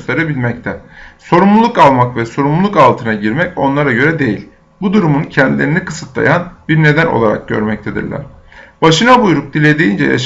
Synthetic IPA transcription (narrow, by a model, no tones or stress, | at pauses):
st̪ʰeɾebilʲmɛc̚t̪ʰɛso̞ɾumlˠulˠukalˠmakvɛso̞ɾumlˠulˠukalˠt̪ʰɯnaɟiɾmɛco̞nlˠaɾaɟø̞ɾɛd̪e̞jḭlʲ | bud̪uɾumuncʰɛnd̪ilʲe̞ɾinikʰɯsɯt̪lˠa̰janbiɾne̞d̪æno̰lˠaɾa̰k̚ɟø̞̰ɾmɛc̚t̪ʰed̪ḭɾlʲæ̰ɾ̥b̥aʃɯnabujɾuk̚d̪ilʲe̞d̪ejind͡ʒɛ̰ja̰ʃ